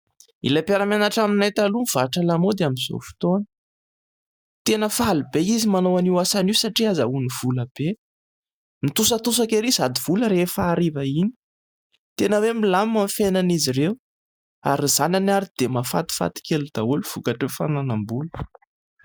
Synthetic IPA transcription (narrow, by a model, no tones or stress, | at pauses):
ḭlapeɾamanaʈ͡ʂaminajt̪alumv̥aʈ͡ʂalamod̪eamizo̰fi̥t̪onə̥ | t̪enəfalubeizimanowaniwasanisaʈ͡ʂiazauniv̥uləb̥e | mit̪usət̪us̬akeɾizad̪iv̥uləɾefaːɾivaini̥ | t̪enəwemilammamfenanizirew | a̰ɾizananaɾid̪̥emafa̰t̪i̥fa̰t̪i̥kelud̪̥auluv̥ukaʈ͡ʂəfananambulu̥